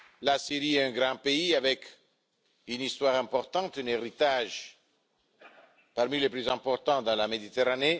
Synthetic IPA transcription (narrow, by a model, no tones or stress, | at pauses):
lasiɾiɛɛ̃ɡʁɑ̃peiavɛk | ynist̪waʁɛ̃mpɔʁt̪ɑ̃t̪yneʁit̪aʒ | paʁmileplyzɛ̃mpɔʁt̪ɑ̃d̪ɑ̃lamed̪it̪eʁane